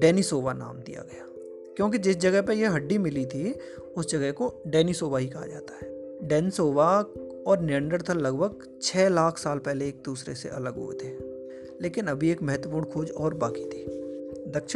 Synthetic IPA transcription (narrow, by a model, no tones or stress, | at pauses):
ɖɛːnisoːʋana̰ːmd̪ḭja̰ɡɐjaː | kjõːk̬id͡ʒɪs̬d͡ʒɐɡəɦpəjeɦɐɖːimɪlit̪ʰi | ʊsd͡ʒɐɡɛɦkoɖɛːnisoːbaɦikɐɦa̰d͡ʒa̰ːt̪ḁɦɛː | ɖɛːnsoːʋa | ɔːɾnɪə̃ɳɖəɾt̪ʰalɐɡbʱəɡ̚ | t͡ʃʰɛːlaːkʰsaːlpɛɦleeːk̚d̪uːsɾḛsḛʔɐ̰ləɡɦṵḛt̪ʰeː | leːkɪnɐbʱieːkmɛɦɛt̪wəpuːɳkʰoːd͡ʒɔːɾbaːkit̪ʰiː | d̪ɐkʃ